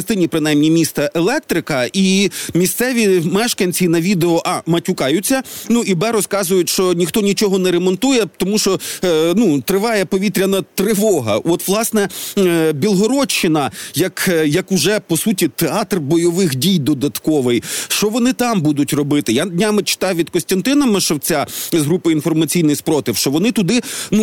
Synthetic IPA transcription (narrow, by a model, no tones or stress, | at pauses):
ɐst̪ɪnʲipɾɪnɑjmnʲimʲist̪ɐʔelˠɛk̚t̪ɾɪkɐimʲist̪sɛʋʲimɛʃkɐnʲt͡sʲinɐʋʲid̪eɔʔɑmɐtʲʊkɑjʊt͡sʲːɐnuʔibɛɾɔskɑzʊjʊtʲʃt͡ʃɔnʲixt̪ɔnʲit͡ʃɔɦɔnɛɾɛmɔnt̪ujɛt̪ɔmuʃt͡ʃɔnut̪ɾɪʋɑjɛpɔʋʲit̪ɾʲɐnɐt̪ɾɪʋɔɦɐ̰ʔɔt̪ʋlˠɑsnɛ | bʲilˠɦɔɾɔt͡ʃːɪnɐjɐkjɐkʊʒɛpɔsutʲit̪eɑt̪rbɔjɔʋɪxdʲijd̪ɔd̪ɐt̪kɔʋɪjʃt͡ʃɔʋɔnɪt̪ɑmbud̪ʊtʲrɔbɪt̪ɪjand̪ʲnʲamɪt͡ʃɪ̥t̪ɑjʋʲid̪̚kɔsʲt̪ʲɐnt̪ɪnɐmɪʃɔwt͡sʲazɦɾupɪinfɔrmɐt͡sʲijnɪjspɾɔt̪ɪwʃt͡ʃɔʋɔnɪt̪ʊd̪ɪnu